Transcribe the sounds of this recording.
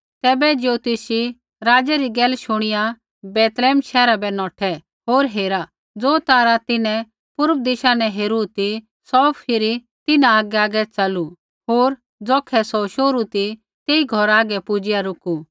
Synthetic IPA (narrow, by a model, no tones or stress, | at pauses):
t̪ɛːbɛd͡ʒot̪ɪsi | ɾaːd͡ʒɛɾiɡɛːlʃʊɽ̃ɪja | bɛːt̪lɛːmʃɛːɾabɛnɔːʈʰɛ | ɦoːɾɦeːɾa | d͡zoːt̪aːɾat̪ɪnɛ̃ | pʊɾəʋd̪ɪʃanɛɦeːɾut̪i | sɔːpʰɪɾi | t̪ɪnãaːɡɛaːɡɛt͡sɐlu | ɦoːɾ | d͡zɔːkʰːɛsɔʃoːɾut̪i | t̪eːiɡʱɔɾaːɡɛpʊd͡ʒɪjaɾʊku